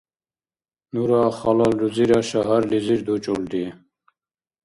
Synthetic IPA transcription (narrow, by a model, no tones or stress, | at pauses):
nuɾɑːχɑlɑlduziɾɑʃaɦaɾliziɾd̪ut͡ʃʼuld̪i